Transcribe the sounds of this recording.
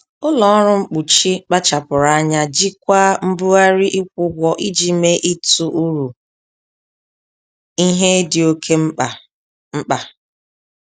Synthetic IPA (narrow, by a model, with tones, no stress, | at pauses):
ʊ˦lɔ˨ɔ˦ɾʊ˦ŋ͡m̩˦k͡pu˨t͡ʃi˦k͡pa˦t͡ʃa˨pʊ˨ɾa˨a˦ɲa˦d͡ʒi˦kʷa˦m̩˦bu˦a˦ɾi˦ʔi˦kʷʊ˦ɡʷɔ˦ʔi˦d͡ʒi˦me˦ʔi˦tu˦ʔu˦ɾu˨ | i˦ɦe˦dɪ˨o˦kʰe˦m̩˦a˨ | ŋ͡m̩˦k͡pa˨